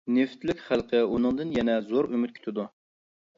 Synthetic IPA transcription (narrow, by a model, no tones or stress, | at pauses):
neft̪lɪkʲχælˠqʰəunɨŋd̪ɨnjɛnɛzoɾymyt̪̚kʲʰy̥t̪ʰɪd̪u